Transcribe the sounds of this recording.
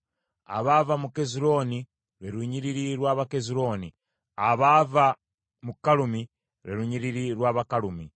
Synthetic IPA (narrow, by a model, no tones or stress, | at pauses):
a̰βavamuke̞ziɾo̞ːni | ɾeɾuɲiɾiɾiɾwaːβake̞ziɾo̞ːni | aβava | mukalumi | ɾeɾuɲiɾiɾiɾwaːβakaɾumi